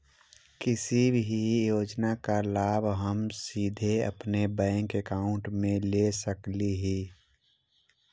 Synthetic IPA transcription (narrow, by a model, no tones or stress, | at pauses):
kɪsibɦijoːd͡ʒnakalaːbɦəmsiːd̪ʱeə̰pnebɛ̃ːŋkekaːʊ̃ɳʈmẽlesəkliɦiː